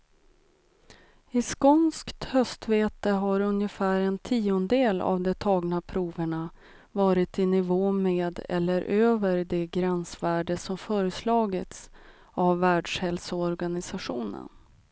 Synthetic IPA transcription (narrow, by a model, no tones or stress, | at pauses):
ɪskɔnskt̪hœst̪veːt̪əɦaɾɵnjəfæːɾɛnt̪ʰiːʊnd̪eːla̰vd̪ɛt̪ʰɑːɡnapʰɾuːvəɳa | vɑːɾɪt̪ɪnɪvoːmeːd̪ɛ̰lːəɾʔøːvəɾd̪ɛɡɾɛnsvæːɖəsɔmfœːɾəslɑːɡɪt̪s | avːæːɖʂhɛlsʊɔɾɡanɪsaɧuːnə̰n